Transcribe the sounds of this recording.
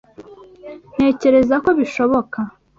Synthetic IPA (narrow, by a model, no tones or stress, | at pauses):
n̥e̞ːce̞ɾe̞zako̞βiʃo̞βo̞ka